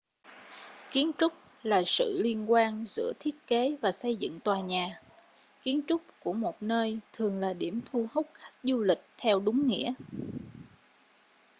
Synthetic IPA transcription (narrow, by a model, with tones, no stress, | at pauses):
ki˨˦ənt͡ɕʊ˦˥k͡p̚ | laː˨˩sɨ̰˧˨li˧ənkwaː˧nzɨ̰˧˥ət̪ʰi˦˥ət̚ke˨˦vaː˨˩sə˧jzɨ̰˧˨ŋt̪waː˨˩ɲaː˨˩ | ki˨˦ənt͡ɕʊ˦˥k͡p̚ku˧˩əmo˨˩t̚nəː˧jt̪ʰɨ˨˩əŋlaː˨˩ɗi˧˩əmt̪ʰu˧hə˦˥k͡p̚xa˦˥k̚zu˧lï˨˩k̟̚t̪ʰɛ˧wɗʊ˨˦ŋ͡mŋḭ˧˥ə